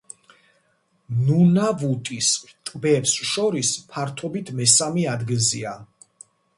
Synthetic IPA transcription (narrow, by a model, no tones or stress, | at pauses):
nunavut̪ʼist̪ʼbɛpsʃɔɾispʰaɾt̪ʰɔbit̪ʰmɛsamiad̪ɡilzia